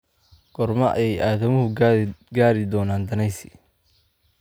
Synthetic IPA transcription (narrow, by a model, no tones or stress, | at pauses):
ɡ̥ɔrmɐʔɐ̰jɛjaːðɐmʊɦʊɡaːɾɪd̪ɔːnaːnd̪ɐnɛjsɪ̰